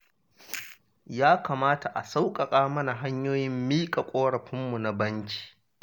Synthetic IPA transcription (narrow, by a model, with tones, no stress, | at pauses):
jaː˦kaː˨maː˦ta˨ʔa̰˨sa˦wkʼɐ˨kʼaː˦mɐ˦na˨ɦa˦ɲjoː˦jɪ˦mːiː˦kʼa˨kʷʼoː˦ɽɐ˨ɸɪ˦mːu˨na˨bɐ˦ŋkʲi̥ː˨